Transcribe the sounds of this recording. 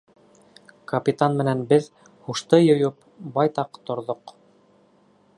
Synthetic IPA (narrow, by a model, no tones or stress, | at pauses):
kɐpʲit̪anmɘ̆nænbɘð | huʃt̪ɤjŏjop | bɑjt̪ɑqt̪ŏɾðoq